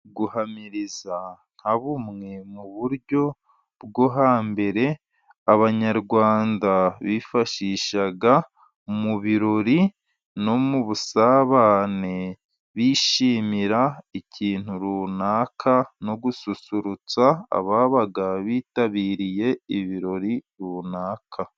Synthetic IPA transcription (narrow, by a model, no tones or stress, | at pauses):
ɡuhamiɾiza | n̥haβumŋe̞muβuɾɟo̞ | bɡo̞ɦaːmbe̞ɾe̞ | aβaɲaɾɡwaːndaβifaʃiʃaɡa | muβiɾoɾi | no̞muβusaːβaːne | βiːʃiːmiɾaiciːn̥huɾuːnaːkʰano̞ɡususuɾut͡sa̰ːβaːβaɡaβiːtaβiːɾije̞iβiɾo̞ɾiɾuːnaːkʰa